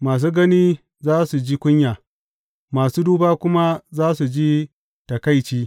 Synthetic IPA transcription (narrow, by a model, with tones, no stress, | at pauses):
maː˨s̬uː˦ɡɐ˦niː˦ | zaː˦su˨d͡ʒiː˦kʷʊ˦ɲjaː˨ | maː˨suː˦duː˦baː˦kʷʊ˦ma˦zaː˦su˨d͡ʒi˦ | tɐ˨ka˦jt͡ʃiː˦